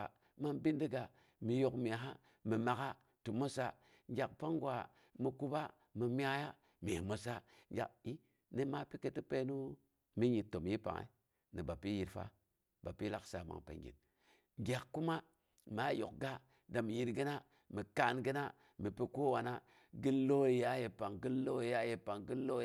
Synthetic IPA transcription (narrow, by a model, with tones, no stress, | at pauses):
ma˦nbi˦ndi˦ɡa˨ | mi˨jo˨kmi˨a˨ɦa˦ | mi˨ma˨ka˦ | tu˨mo˦sa˦ | ŋɡʲa˨k̚pa˦ŋɡwa˨ | mi˨ku˦ba˦ | mi˨mi˦a˦ja˦ | mi˨i˨mo˨sa˦ŋɡʲa̰˨ki˦ | ni˦ma˦pi˦ke˦ti˦pe˦nu˦ | mi˦ɲi˨tːo˨mji˦pa̰˨ŋḛ˨ | ni˨ba˨pi˦ji˨ɾfa̰˦ | ba˨pi˦la˦ksa˨ma̰˨ŋpḛ˨ŋɡḭ˨n | ŋɡʲa˨kːu˦ma˦ | mi˨a˦jo̰˨k̚ɡa˦ | da˨mi˨ji˦ɾɡi˦na˦ | mi˨ka˦˨nɡi˦na˦ | mi˨pi˦ko˦wa˨na˦ | ɡi˦lo˦i˨ja˦je˨pa˨ŋɡi˦lːo˦i˨ja˦je˨pa˨ŋɡi˦lo˦